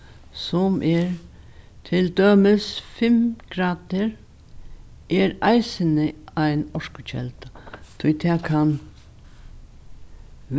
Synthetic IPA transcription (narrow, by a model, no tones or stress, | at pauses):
sɔmʔɛɾ | t̪ʰɪld̪øːmɪsfɪmɡ̥ɾaːd̪əɾ | ʔɛɾaɪsənɪaɪnɔɹkʊt͡ʃʰɛ̰lt̪at̪ʰʊjt̪ʰɛːkʰan | ʋ